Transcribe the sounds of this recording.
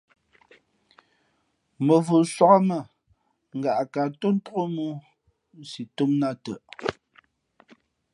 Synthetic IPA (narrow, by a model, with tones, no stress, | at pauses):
mə˨vu˨swa˦ka˦mə˨ | ŋ̩˨ɡa˨ʔka˨to˦n̩˦tu˦ɣo˦mu˦ | si˨tu˦mna˦tə˨ʔ